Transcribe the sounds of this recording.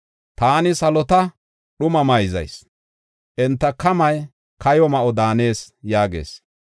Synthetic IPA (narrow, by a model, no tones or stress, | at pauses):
t̪aːnɪsɐlɔt̪ɐ | ɗʊmɐmɐjzɐ̰js | ʔɛnt̪ːɐkɐmɐj | kʰɐjɔmɐʔɔd̪aːne̞ːsjaːɡe̞̰ːs